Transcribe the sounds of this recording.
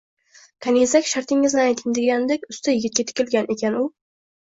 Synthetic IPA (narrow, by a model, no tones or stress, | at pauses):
kʰanesakʲʃaɾt̪ʰɪŋːɪznɪajt̪ʰɪŋd̪ɪɡʲand̪ekʲʊst̪ʰajɪɡʲɪt̪̚kʲat̪ʰɪ̥kʲɪlɡʲanʔe̞kʲʰanʊ